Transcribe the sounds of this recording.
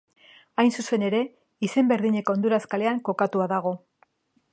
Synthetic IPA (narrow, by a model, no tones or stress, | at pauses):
ajnsuse̞ne̞ɾe̞ | ise̞mbe̞ɾðiɲe̞ko̞ond̪uɾaskale̞aŋko̞kat̪uaðaɣ̞o̞